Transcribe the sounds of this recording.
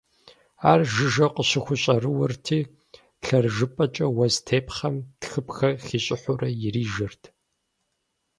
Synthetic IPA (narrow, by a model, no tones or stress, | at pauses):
aːrʒɪʒɐqəɕɪxʷʊɕʼɐrɨwɐrtʰiː | ɬɐrʒɨpʼɐt͡ʃʼɐwɐztʰeːpχɐmtxɨpxɐxiːɕʼɪħʷʊrɐjɪriːʒɐrtʰ